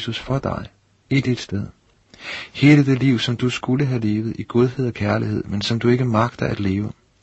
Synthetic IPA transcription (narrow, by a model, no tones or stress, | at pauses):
susfɒ̽d̥ɑ̈ɪ | id̥id̥sd̥eð̞ˠ | he̝ːləd̥e̝liʊ̰sɒ̽md̥usɡ̥uləɦæle̝ːʋð̞̩ˠiɡ̥o̝ð̞ˠɦe̝ð̞̰ˠɒ̽kʰæɐliɦe̝ð̞̰ˠmensɒ̽md̥ue̝ɡ̥əmɑ̈ɡ̥̚d̥ɐʔæd̥le̝ːʊə